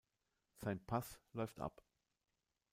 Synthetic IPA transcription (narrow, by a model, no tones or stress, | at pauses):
z̥aɪnpʰaslɔʏftʔa̰p